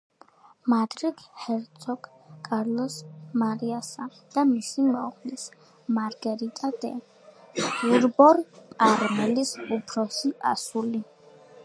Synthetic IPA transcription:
mad̪ɾiɡhɛɾt̪sʰɔɡ | kʼaɾlˠɔsmaɾiasa | d̪̥amisimɛʁlis | maɾɡɛɾit̪ʼad̪ɛ̰ | uɾbɔɾaɾmɛlisupʰɾɔsiʔa̰suli

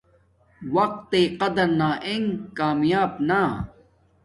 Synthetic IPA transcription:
wɐq̚t̪ːeːqɐd̪ɐɾnaːʔeŋkaːmjaːbna

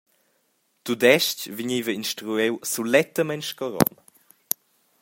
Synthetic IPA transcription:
t̪ud̪ɛʃcviɲivəinʃtɾuɛwsulɛt̪əmɛnʃkɔɾɔ̰n

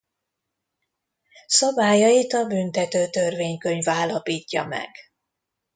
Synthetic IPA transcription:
sɒbaːjɒjit̪ɒbynt̪ɛt̪øːt̪ørveːɲkø̞ɲvaːlːɒpiːcːɒ̰mɛ̰ɡ̥

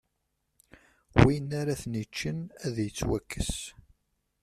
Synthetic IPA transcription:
winaɾaθnit͡ʃːənæðjət͡sːwækːəs

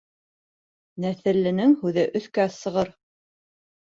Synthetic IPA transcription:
næθɘ̆ɾlɘ̆nɘŋhʉðɘʔɵ̆θkæsɤ̆ʁɤɾ

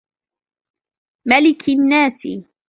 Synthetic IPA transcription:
malɪkʰɪnːaːsɪ̰

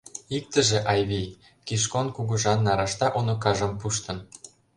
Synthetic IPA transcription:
ik̚t̪ə̆ʒĕʔɑjβij | kiʃ̬konkuɣuʒɑnːɑɾɑʃt̪ɑʔonokɑʒɤ̆mpuʃt̪ɤ̆n

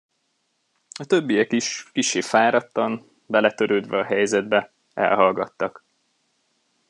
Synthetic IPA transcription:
ɒt̪ø̞bːijɛkiʃkiʃːeːfaːɾɒt̪ːɒn | bɛlɛt̪øɾøːd̪ʋɛɒɦɛjzɛd̪bɛ | ɛ̰lɦɒlɡɒt̪ːɒk

